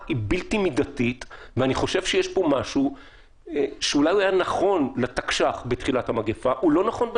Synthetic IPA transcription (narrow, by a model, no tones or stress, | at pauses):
ibiltimidatitveaniχo̞ʃe̞vʃejeʃpo̞maʃu | eʃeulajuajanaχo̞nletakʃaχbetχilathamaɡefaʔulo̞naχo̞nb